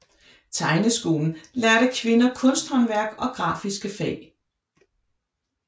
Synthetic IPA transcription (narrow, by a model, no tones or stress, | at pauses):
t͡sʰɑ̈ɪnəsɡ̥o̝̰ːln̩læɐɾ̥əkʰʋe̝nɐkʰɔ̽n̰sd̥hɒ̽nʋæɐ̰ɡ̥ɒ̽ɡ̥ʁɑ̈ːfisɡ̥əfɛ̰ɪ